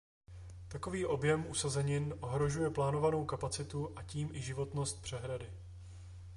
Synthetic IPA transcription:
t̪ako̞viːʔo̞bjɛmʔusazɛɲɪnʔo̞ɦɾo̞ʒujɛplaːno̞vano̞wkapat͡sɪt̪uʔaciːmʔɪʒɪvo̞t̪no̞st̪̚pr̥ɛɦɾadɪ

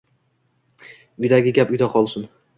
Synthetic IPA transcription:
ʊjd̪aɡʲɪɡʲapʊjd̪aqʰɒlˠsɪn

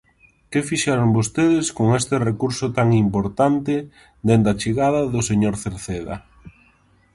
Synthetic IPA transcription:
kefiʃɛɾʊŋbost̪eðɪskoŋest̪ɪrekuɾsʊt̪aŋimpoɾt̪ant̪ɪ | d̪end̪ɐt͡ʃeɣaðɐðʊseɲoɾθeɾθeðɐ̰

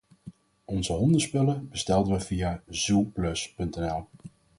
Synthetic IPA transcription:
ɔnzəɦɔndəspɵləbəstɛlˠdəʋəvijaːz̥uplɵspɵntɛnɛlˠ

